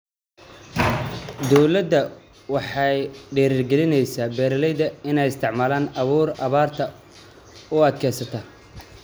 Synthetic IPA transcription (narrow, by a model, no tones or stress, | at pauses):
d̪ɔwlɐd̪ːɐ | wɑħɑjɖɛːɾiːrɡɛlɪnɛjsaːbɛːɾɐlɛjðɐɪnɛjɪst̪ʰɪʕmaːlaːnɐβuːrɐβaːrt̪ʰɐ | ʊɐd̪kʰɛːsɐt̪ʰɐ